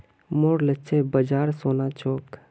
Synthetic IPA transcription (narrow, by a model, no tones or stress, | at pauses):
moːɽlətːt͡ʃʰebəd͡ʒaːɾsoːnat͡ʃoːk